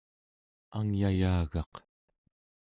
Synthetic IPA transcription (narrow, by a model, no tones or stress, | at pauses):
aŋjajaːɣɑq